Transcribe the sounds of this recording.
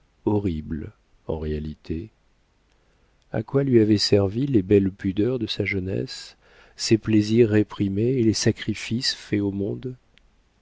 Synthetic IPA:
ɔʁibl | ɑ̰̃ʁealit̪ʰe | a̰kwalɥiavɛsɛʁvilebɛlpyd̪œʁd̪əsaʒənɛ̰sː | epleziʁːepχimeːlesakχifisfɛomɔ̃d̪

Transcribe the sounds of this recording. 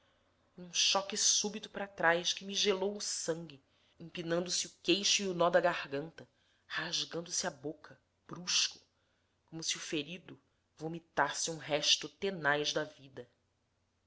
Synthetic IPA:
ũʃɔkɪsubit̪ʊ̥pɾat̪ɾajʃkɪmiʒelowʊsɐ̃ŋɡʲɪ | ĩpinɐ̃nd̪ʊsɪʊkejʃʊiʊnɔd̪ɐɡahɡɐ̃nt̪ɐ | haʒɡɐ̃nd̪ʊsɪabokʰɐ | b̥ɾuʃkʊ̥ | kõmʊsiʊfeɾid̪ʊ | vomit̪asɪũɦɛʃt̪ʊt̪enajʒd̪ɐvid̪ɐ

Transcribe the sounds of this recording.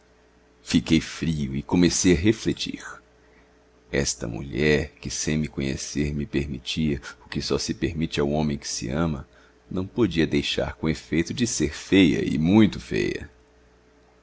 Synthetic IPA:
fikejfɾiʊɪkõmesejɐɦeflet͡ʃḭɾ | ɛ̰st̪ɐ̰mṵʎɛɾkɪsẽj̃mɪkõɲḛseɾmɪpeɾmit͡ʃiɐʊkɪsɔsɪpeɾmit͡ʃɪawõmẽj̃kɪ̥sɪ̰ɐ̃mɐ | nɐ̃w̃pod͡ʒiɐd̪ejʃa̰ɾkõefejt̪ʊd͡ʒɪseɾfejɐ̰ɪ̰mũj̃t̪ʊfḛjɐ̰

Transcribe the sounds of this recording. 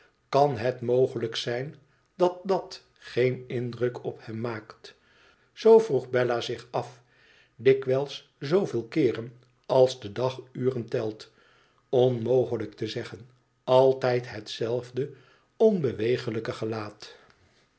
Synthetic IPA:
kɑnɦɛtmowχələksɛjn | dɑt̚dɑt | χejnɪndrɵkɔphɛmːaːkt | z̥owvruχbɛlaːzɪχɑf | dɪkʋɛlˠs | zowvɪːlˠkɪːrən | ɑlˠzdədɑχyːrəntɛlˠt | ɔnmowχələktəzɛχən | ɑlˠtɛjtɦətsɛlˠvdə | ɔnbəʋejχələkəχəlaːt

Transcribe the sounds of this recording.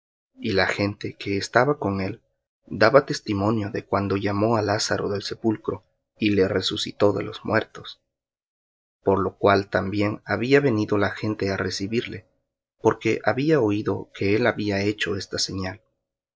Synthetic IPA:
ilaxe̞nt̪e̞ke̞ːst̪aβako̞ŋe̞l | d̪aβat̪e̞st̪imo̞njo̞ðe̞kwand̪o̞ʝamo̞alasaɾo̞̰ðe̞lse̞pulkɾo̞ | ile̞re̞susḭt̪o̞ðe̞̰lo̞̰zmwe̞ɾt̪o̞s | po̞ɾlo̞kwalt̪ambje̞ŋaβiaβe̞niðo̞laxe̞nt̪e̞are̞siβiɾle̞ | po̞ɾke̞ʔaβiao̞iðo̞ke̞e̞laβiae̞t͡ʃo̞e̞st̪ase̞ɲal

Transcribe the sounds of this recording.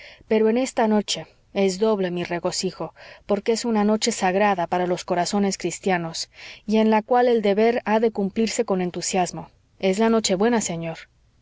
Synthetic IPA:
pe̞ɾoe̞ne̞st̪ano̞t͡ʃe̞ | e̞zðo̞βle̞mire̞ɣo̞sixo̞po̞ɾkeesunano̞t͡ʃe̞saɣɾaðapaɾalo̞sko̞ɾaso̞ne̞skɾist̪jano̞sie̞nlakwale̞ld̪e̞βe̞ɾaðe̞kumpliɾse̞ko̞ne̞nt̪usjazmo̞ | e̞zlano̞t͡ʃe̞βwe̞nase̞ɲo̞ɾ

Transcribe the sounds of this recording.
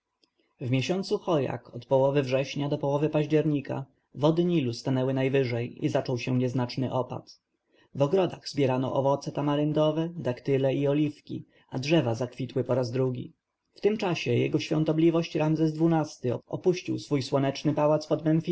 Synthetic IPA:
vmʲjɛɕɔnt̪suxɔja̰kɔt̪pɔwɔvɘvʐɛɕɲad̪ɔpɔwɔvɘpaʑd͡ʑɛɾɲika̰ | vɔd̪ɘɲilust̪anɛwɘnajvɘʐɛjḭzat͡ʂɔwɕɛɲɛznat͡ʂnɘʔɔpa̰t̪ | vɔɡɾɔd̪aɣzbʲjɛɾanɔ̰ʔɔvɔt̪sɛt̪amaɾɘnd̪ɔvɛd̪akt̪ɘlɛiɔlʲifkʲḭ | adʐɛvazakfʲit̪wɘpɔɾazd̪ɾuɡʲḭ | ft̪ɘmt͡ʂaɕɛjɛ̰ɡɔɕfʲjɔ̰nt̪ɔblʲivɔɕt͡ɕɾamzɛzd̪vunast̪ɘɔpuɕt͡ɕḭwsfujswɔnɛt͡ʂnɘpawat̪spɔd̪mɛnfʲi

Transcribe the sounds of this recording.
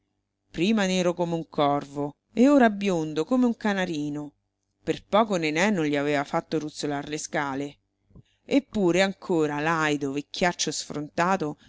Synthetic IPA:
pɾiːmaneːɾokomeuŋkʰɔrvo | eoːɾabːjond̪okomeuŋkanaɾiːno | perpɔːkonenɛnːonʎiaveːvafat̪ːorut̪solarleskaːle | epːuːɾeaŋkʰoːɾalajd̪ovekʰʲːjat͡ʃːosfɾʔont̪aːt̪o

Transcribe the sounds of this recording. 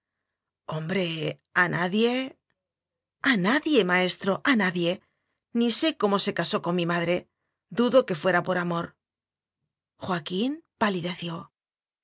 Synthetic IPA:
o̞mbɾe̞ | anaðje̞ | anaðje̞mae̞st̪ɾo̞ʔanaðje̞ | nise̞ko̞mo̞se̞kaso̞ko̞ŋmimaðɾe̞ | d̪uðo̞ke̞fwe̞ɾapo̞ɾamo̞ɾ | xwakimpaliðe̞θjo̞

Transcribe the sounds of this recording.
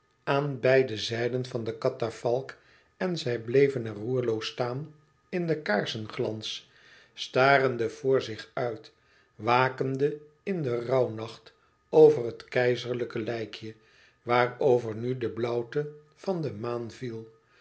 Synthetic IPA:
aːnbɛjdəzɛjdənvɑndəkɑtafɑlˠk | ɛnzɛjblejvənɛrɦuːɹlowstaːn | ɪndəkaːɹsənχlɑ̰ns | staːrəndəv̥ʊːɹzɪχœɥt | ʋaːkəndə | ɪndərɑwnɑχt | owvərɦətkɛjzəɹləkəlɛjkʰjə | ʋaːrowvəɹnydəblɔwtə | v̥ɑndəmaːnvilˠ

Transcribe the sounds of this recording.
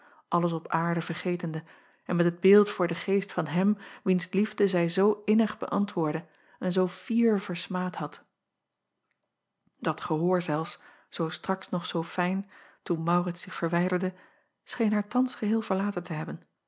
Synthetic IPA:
ʔɑləs̬ɔpaːɹdəvəɹχejtəndə | ɛnmɛtɦəd̚bɪːlˠtfʊːɹdəχejstfɑnɦɛmʋinslivdəzɛjzowɪnəχbə̰ʔɑntʋʊːɹdə | ɛnzowfiːɹvəɹsmaːtɦɑt | d̥ɑtχəɦoːɹzɛlˠfs | z̥owstrɑksnɔχsowfɛjntunmɑwrɪtsɪχfəɹʋɛjdəɹdə | sχejnɦaːɹtɑnsχəɦɪːlˠvəɹlaːtəntəɦɛbən

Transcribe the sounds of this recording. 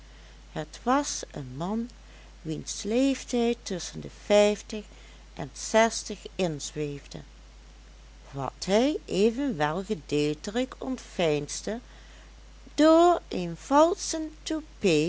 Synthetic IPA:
hətʋɑsənmɑn | ʋinslejftɛjtɵsəndəvɛjftəχ | ʔɛnsɛstəχɪnzʋejvdə̰ | ʋɑ̰tɦɛjʔeːvənʋɛlˠɣədeltərəkɔntfɛjnsdə | d̥oːɹenv̥ɑlˠsəntupe

